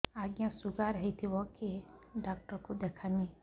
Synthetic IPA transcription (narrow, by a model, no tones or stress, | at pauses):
aːɡjãsʊɡaɾəɦit̪ʰiʋɔkiɖaːk̚ʈəɾkod̪eːkʰani